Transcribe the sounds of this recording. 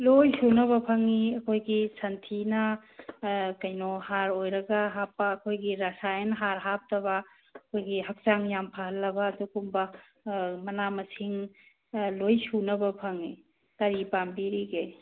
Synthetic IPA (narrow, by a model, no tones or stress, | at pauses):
lojsunɐβɐpʰɐŋiɐkʰojɡisʰɐntʰinɐ | kɐjnɔhaɾojɾɐɡaɦapːaːkʰojɡiɾɐsajɐnɦaɾɦap̚tɐβɐ | ɐkʰojɡihɐk̚t͡ʃaŋjampʰɐɦɐlːɐbɐːdukumbɐ | mɐnamɐsiŋ | lojsunɐbɐpʰɐŋi | kɐɾipambiɾiɡe